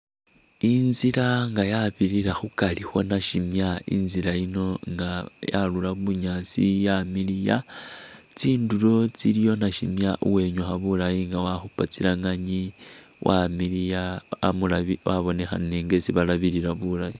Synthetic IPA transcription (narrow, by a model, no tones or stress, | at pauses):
inziɾaŋɡajaβiɾiɾaxukalixo̞naʃimjaḭnziɾaino̞ŋɡaja̰lulaβuɲasijamilija | t͡siːndulo̞t͡silijo̞naʃimjaʔuwe̞ɲoxaβulajiŋɡawaxupat͡silaŋaɲi | wʔamilija̰ːmulaiwaβo̞ne̞xa̰neːŋɡe̞siβalaβiɾiɾaβulai